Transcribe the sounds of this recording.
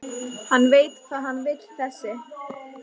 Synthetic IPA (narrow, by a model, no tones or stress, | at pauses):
hanːveːjt̪kʰvaːðɦanːvɪjlθɛsːɪ